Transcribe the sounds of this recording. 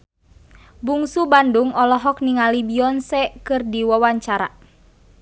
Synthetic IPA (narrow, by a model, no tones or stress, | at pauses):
buŋsubanduŋɔlɔɦɔk̚niŋalibiɔnsɛkɨrdiwawaɲt͡ʃaɾa̰